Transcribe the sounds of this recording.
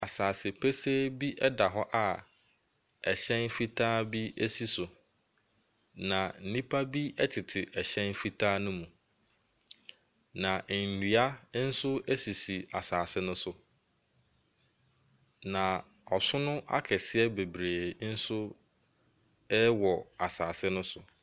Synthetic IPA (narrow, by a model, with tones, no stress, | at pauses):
a˨saː˨sɪ˨pʰe˦se˦bi˦ʔɛ˦da˨ɦɔ˦ʔa˨ | ɛ˨ɕɛ̃˦nfi˦tʰaː˦bi˦e˦si˦sʊ˨ | nã˨n̩˦˨nĩ˦pʰa˦bi˦ɛ˦tʰɪ˨tʰɪ˨ʔɛ˨ɕɛ̃˦nfi˦tʰaː˦nʊ̃˦mũ˨ | nã˨n̩˨ni˨a˦n̩˦sʊ˦e˦si˨si˨a˨saː˨sɪ˦nʊ̃˦sʊ˨ | nã˨ | ɔ˨sʊ˦nʊ̃˦ʔa̰˦kʰɛ˨sɪ˦ɛ˦be˨bɾeː˨n̩˦sʊ˦ | ɛ˦wɔ˨a˨saː˨sɪ˦nʊ̃˦sʊ˨